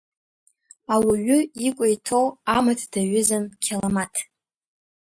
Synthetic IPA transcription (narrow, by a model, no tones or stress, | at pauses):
awaɥʊikʷʼajtʰowamatʰd̥aɥʊzamkʲʰalamatʰ